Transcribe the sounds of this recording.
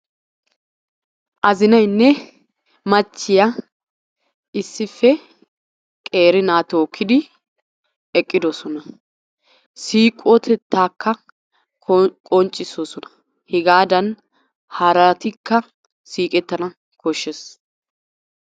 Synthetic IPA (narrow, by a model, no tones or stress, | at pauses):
ʔɐzɪnɐjnːɛ | mɐt͡ʃːɪjɐ | ɪsːɪfːɛ | kʼe̞ːɾɪnaːt̪oːkːɪd̪ɪ | ɛkʼːɪd̪ɔsɔnɐ | siːkʼːot̪ʰɛt̪ːaːkːɐ | kʼɔnt͡ʃʼːɪsosɔnɐ̥ | hɛɡaːd̪ɐn | haːɾɐt̪ɪkːɐ | siːkʼɛt̪ːɐnɐ | kɔʃːɛs